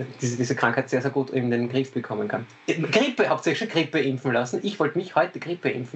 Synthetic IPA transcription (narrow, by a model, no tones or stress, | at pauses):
d̥iːd̥iːzəkʁ̥ãŋkhæɛɪtseːɐzeːɐɡuːtɪ̰m̩denɡʁɪfb̥əkʰɔmənkʰan | ɡ̥ʁɪpəhapsɛçɪçʃonɡ̥ʁɪpəʔɪmfn̩lasn̩ʔɪçv̥ɔltəmɪçhɔʏtəɡ̥ʁɪpəʔɪ̰mfn̩